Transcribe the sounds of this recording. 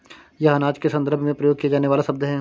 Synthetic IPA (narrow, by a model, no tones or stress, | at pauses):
jɐɦanaːd͡ʒkesɐ̃nd̪əɾbʱmẽpɾɐjoːɡ̚kiaɡaːneʋaːlasɐb̚d̪ɦɛ